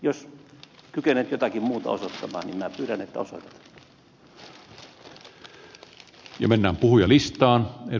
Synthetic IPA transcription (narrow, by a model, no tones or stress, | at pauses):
joskykenet̪jot̪ɑkimmuːt̪ɑ̰o̰sot̪ːɑmɑ̰ːnimmæpyːɾænet̪ːæoso̰t̪e̥t̪ | jɑmenːæːmpuhujɑlist̪ˑɑːne